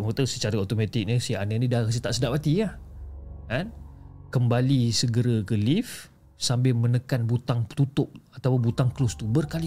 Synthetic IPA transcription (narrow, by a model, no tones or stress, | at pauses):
mot̪əsət͡ʃaɾəot̪omat̪ɪk̚nisianənĩdakas̬ət̪aʔsədapat̪ia | kankəmbalisəɡəɾəɡəlif | sambɪlmənəkanbut̪aŋpə̥t̪ut̪ʊp̚at̪awʊnbut̪aŋklost̪ubərkali